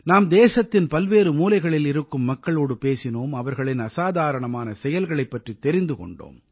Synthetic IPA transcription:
naːmd̪eːsɐt̪ːɪnpɐlʋeːɾɯmuːlɐɪɣɐɭɪlɪɾɯkːɯmːɐkːɐɭoːɽɯpeːsɪnoːmɐʋɐɾɣɐɭɪnɐsaːðaːɾɐɳɐmaːnɐsɛjɐlɣɐɭɐɪpːɐʈrit̪ːɛɾɪnd̪ɯkɔ̰ɳɖo̰ːm

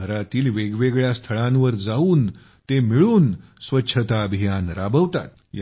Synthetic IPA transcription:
əɾat̪iːlʋeɡʋeɡɭjast̪ʰəɭãnʋəɾd͡zauːn | t̪emiɭuːnsʋətːɕʰət̪aəbʱijanɾabəʋt̪a̰t̪̚ | j

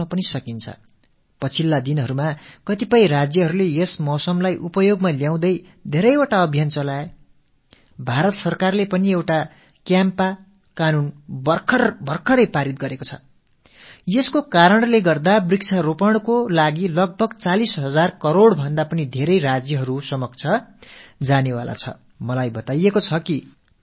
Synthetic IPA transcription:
apʌnisʌkint͡sʰʌ̰ | pʌt͡sʰilːad̪inɦʌɾumakʌt̪ipʌj̃rad͡zjʌɦʌɾulejesmʌsʌmlajʔupʌjoɡmaljaw̃d̪ʌj | d̪ʱeɾʌjoʈaʌbʱjant͡sʌlae | bʱaɾʌt̪sʌrkarlepʌniewʈa | kjampa | kanunbʌkʰʌrbʌrkʰʌɾʌjpaɾit̪̚ɡʌɾekot͡sʰʌ̥̰ | jeskokaɾʌɳleɡʌrd̪abriksʰaɾopʌɽ̃kolaɡilʌɡ̚bʱʌɡt͡salisɦʌd͡zarkʌɾoɽbʱʌnd̪apʌnid̪ʱeɾʌjɾad͡zjʌɦʌɾusʌmʌk̚t͡sʰʌ | d͡zanewa̰la̰t͡sʰʌ̰ | mʌlajbʌt̪ajekot͡sʰʌki

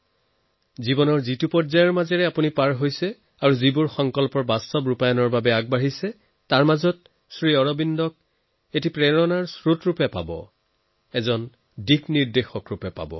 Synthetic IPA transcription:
zibɔnɔɹzitupɔɹzajɔɹmazɛɹɛapunipaɹɦojsɛ | aɹuzibuɹxɔŋkɔlpɔɹbastɔbɹupajɔnɔɹbabɛaɡ̚baɦisɛ | taɹmazɔt̚ | sɹiɔɹɔbindɔk̚ | etipɹɛɹɔnaɹsɹutɹupɛpa̰bɔ̰ | ɛzɔn | dikniɹdexɔkɹupɛpa̰bɔ̰

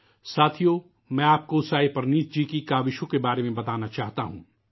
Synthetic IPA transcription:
saːt̪ʰijo | mɛ̃ːaːp̚koʊsaːipɐɾniːt̪̚ʰd͡ʒiːkikaːʋɪʃõkebaːɾemẽbɐt̪aːnat͡ʃaːɦt̪aɦṵ̃ː

